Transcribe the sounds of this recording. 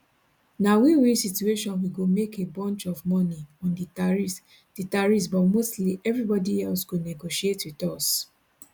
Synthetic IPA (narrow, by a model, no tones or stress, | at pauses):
nawiwisitueʃɔ̃nwiɡomekebɔ̃nt͡ʃɔvmɔniɔ̃ndiɹi | d̥itaɹisbɔtmostliʔɛvɹibɔdiɛlsɡonɛɡoʃietwiðɔs